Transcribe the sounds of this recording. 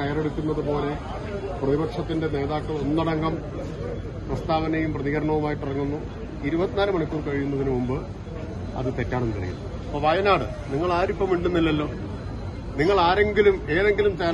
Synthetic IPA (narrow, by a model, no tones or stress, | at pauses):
ɐjɐreɽit̪ʲːunːɐðɨpo̞ːle̞ | prɐðibɐkʂɐt̪ːinde̞ne̞ːðaːkːɐɭo̞nːɐɽɐŋɡɐm | prɐst̪aːʋɐnɐjumprɐðiɣɐɾɐɳɐʋumaːjiʈːirɐŋːunːu | iɾubɐt̪ːinaːlɨmɐɳɐkʲːuːrkɐɻijunːɐðinɨmumbɨ | ɐ̰ðɨt̪e̞tːaːɳenːkɐɽɐ̰jṵnːɐ | ɐpːoːʋɐjɐnaːɽɨ | niŋːɐɭaːɾipːɐmiɳɖunːilːɐlːo̞ː | niŋːɐɭaːɾe̞ŋɡilume̞ːðe̞ŋɡilumt͡ɕeː